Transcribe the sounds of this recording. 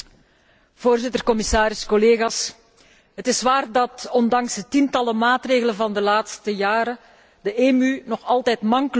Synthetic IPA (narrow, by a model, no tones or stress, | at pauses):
v̥oːrzɪtərkɔmɪsaːɾɪskɔleːɣaːs | ɦətɪsʋaːrdɑtɔndɑŋsdətintɑləmaːtreːɣələnvɑndəlaːtstəjaːɾə | dəʔeːmynɔxɑlˠtɛjtmɑŋkl